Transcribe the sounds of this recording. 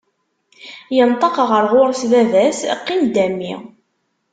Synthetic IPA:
jənt̪ˤɑqʁəɾʁʊɾˤsðævæsqːimd̪æmːḭ

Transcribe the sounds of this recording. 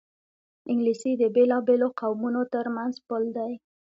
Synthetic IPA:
ɪŋɡlisid̪əbelɑbeloqawmunot̪əɾmanzpəld̪aj

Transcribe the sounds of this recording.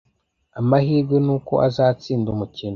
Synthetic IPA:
amahiːɾɡwenuːko̞̰ʔazaːt͡siːndumucino

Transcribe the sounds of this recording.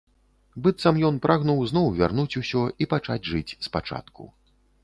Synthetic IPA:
bɨt̪sɐmjɔnpɾʔaɣnuwznɔwvʲa̰rnut͡sʲusʲɔipat͡ʂad͡zʲʐɨt͡sʲspat͡ʂa̰t̪kṵ

